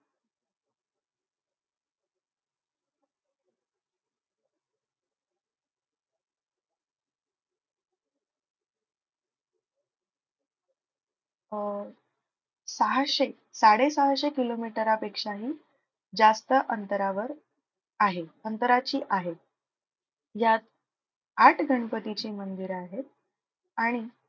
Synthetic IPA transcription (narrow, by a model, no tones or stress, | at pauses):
səɦaɕe | saɽesəɦəɕekilomiʈəɾapekʂaɦiː | d͡zast̪əʔənt̪əɾaʋəɾ | aɦeənt̪əɾat͡ɕiːʔaɦet̪̚ | jat̪ | aʈʰɡʱəɳ̃pət̪it͡ɕiːmənd̪iɾaɦet̪̚ | aɽ̃i